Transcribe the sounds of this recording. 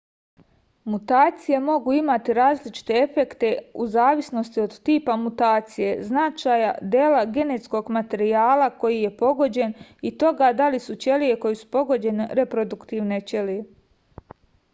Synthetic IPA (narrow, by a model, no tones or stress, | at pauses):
mut̪aːt̪sije̞mo̞ɡuːimat̪iɾaːzlit͡ʃi̥t̪e̞efe̞kt̪e̞uzaːʋisno̞st̪io̞d̪t̪iːpamut̪aːt̪sije̞znat͡ʃaja̰d̪je̞laɡe̞net̪sko̞ɡmat̪e̞ɾiaːlako̞jije̞po̞ɡo̞d͡ʑe̞nit̪o̞ɡad̪alisut͡ɕe̞lije̞ko̞jisu̥po̞ɡo̞d͡ʑe̞neɾe̞pɾo̞d̪ukt̪iːʋne̞t͡ʃelije